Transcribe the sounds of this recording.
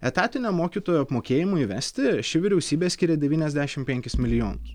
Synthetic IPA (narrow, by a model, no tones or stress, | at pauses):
ɛt̪ɑːt̪ʲɪnʲoːmoːkʲiːt̪oːjoɐpmoːkʲeːjɪmuiʋʲɛsʲt̪ʲɪʃʲɪʋʲɪɾʲɛʊsʲiːbʲeːsʲkʲɪɾʲɛd̪ʲɛʋʲiːnʲɛzʲd̪ʲæːʃʲɪmpʲɛŋʲkʲɪsmʲɪlʲɪjoːnɐs